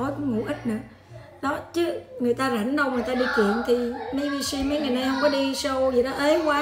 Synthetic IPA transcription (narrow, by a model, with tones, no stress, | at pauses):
ɔ˨˦jkŋṵ˧˩ʔi˦˥t̚nɨ˧˦ə | ɗɔ˨˦t͡ɕɨ˨˦ŋɨ˨˩əjt̪aː˧za˧˩ŋ̟ɗə˧wŋɨ˨˩jt̪aː˧ɗi˧t͡ɕwḭ˧˨ənt̪ʰi˨˩me˨˦jvi˧si˧mə˨˦jŋɨ˨˩naː˧jhə˧wŋ͡mkɔ˨˦ɗi˧sə˧wzi˨˩ɗɔ˨˦ʔe˨˦kwaː˨˦